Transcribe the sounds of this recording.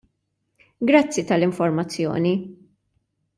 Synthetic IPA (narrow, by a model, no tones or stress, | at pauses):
ɡɾɐt͡sːit̪ɐlɪɱfɔɾmɐt͡sːjɔ̰ːni